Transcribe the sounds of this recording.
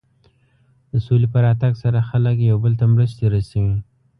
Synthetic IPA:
d̪əsolepəɾɑt̪aɡsaɾaxaləkjawbəlt̪amɾəst̪aɾasaɡi

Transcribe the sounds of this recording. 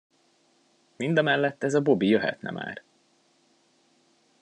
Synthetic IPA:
mind̪ɒmɛlːɛt̪ːɛzɒbo̞bijøɦɛ̰t̪nɛ̰ma̰ːr

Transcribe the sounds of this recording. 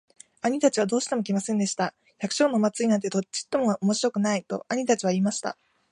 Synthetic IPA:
aɲ̟it̪at͡ɕiβ̞ad̪o̞ːɕi̥t̪e̞mo̞kʲimasẽ̞nd̪e̞ɕi̥t̪a | çakɯ̟̥ɕo̞ːno̞mat͡sɨinãnt̪e̞t̪o̞t͡ɕːi̥t̪ːo̞mo̞omo̞ɕiɾo̞kɯ̟nait̪o̞̰aɲ̟it̪at͡ɕiβ̞aiːmaɕi̥t̪a̰

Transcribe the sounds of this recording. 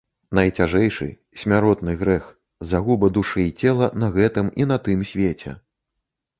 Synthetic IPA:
nɐjt͡sʲaʐɛjʂɨ̰ | sʲmʲaɾɔt̪nɨɣɾɛx | zaɣubɐd̪uʂɨt͡sʲɛlˠɐnɐɣɛt̪ɨminɐt̪ɨmsʲvʲet͡sʲɛ̰

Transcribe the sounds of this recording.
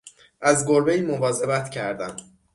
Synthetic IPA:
ʔæzɡoɾbe̞jiːmo̞vɒːze̞bæt̪ʰcʰæɾd̪æm

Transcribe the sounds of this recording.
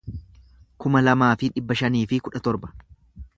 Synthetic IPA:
kʊmɐlɐmaːfɪᶑɪbːɐʃɐniːfɪkʊᶑɐt̪ɔɾbɐ̥

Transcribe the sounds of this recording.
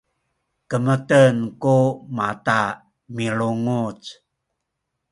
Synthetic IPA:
kəmətənkumata | miɭuŋut͡s

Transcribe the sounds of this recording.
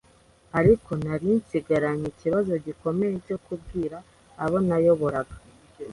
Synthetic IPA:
aɾikʰo̞naɾinsiɡaɾaɲiciβazo̞ɟiko̞me̞jeco̞kubɡiːɾaː | βo̞najo̞βo̞ɾaɡḁ

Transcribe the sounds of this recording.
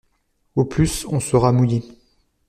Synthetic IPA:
oplysɔ̃səʁamuji

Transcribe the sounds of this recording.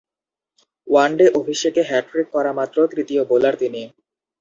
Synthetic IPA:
waɳɖeʔobʱiʃekeɦɛʈɾik̚kːɔɾamat̪ːɾot̪ɾit̪iobolaɾt̪ini

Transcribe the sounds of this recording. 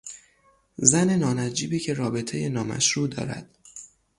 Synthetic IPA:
zæne̞nɒːnæd͡ʒiːbiːcʰe̞ɾɒːbe̞t̪ʰe̞je̞nɒːmæ̰ʃɾuːd̪ɒ̰ːɾæ̰d̪̥

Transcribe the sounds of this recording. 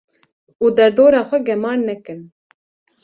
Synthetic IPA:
uːd̪ɛɾd̪oːɾɑːxʷɛɡɛmɑːɾnɛkɨn

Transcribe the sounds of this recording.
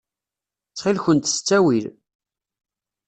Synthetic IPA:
t͡sːχilçənt̪ə̥st͡sːæwil

